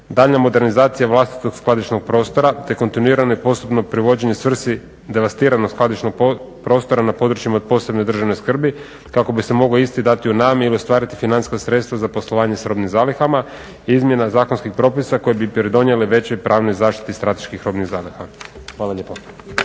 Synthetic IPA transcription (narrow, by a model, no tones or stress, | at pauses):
d̪aʎnamo̞d̪e̞ɾnizaːt̪sijaʋlˠast̪i̥t̪o̞ɡsklad̪it͡ʃno̞ɡ̚pɾo̞ːst̪o̞ɾat̪e̞ko̞nt̪inuiːɾanoipo̞st̪upno̞pɾiʋo̞d͡ʑeɲesʋr̩si | d̪e̞ʋast̪iːɾanoɡsklˠad̪it͡ʃno̞ɡ̚p | pɾo̞ːst̪oɾanapo̞d̪ɾut͡ʃjimaod̪̚po̞se̞bno̞jd̪r̩ʒaʋno̞jskr̩bi | kako̞bise̞mo̞ɡloist̪id̪at̪iunaːmiliost̪ʋaːɾit̪ifinanskasɾe̞t̪st̪ʋazapo̞slˠoʋaːɲe̞sɾo̞ːbnimzaːlixama | iizmje̞nazaːko̞nskixpɾo̞pisako̞jebipɾid̪o̞nje̞leʋe̞t͡ɕo̞jpɾʔaːʋnojzaːʃt̪i̥t̪ist̪ɾat̪e̞̥ʃkixɾo̞bniɣzaːlixaxʋaːlˠaʎeːpo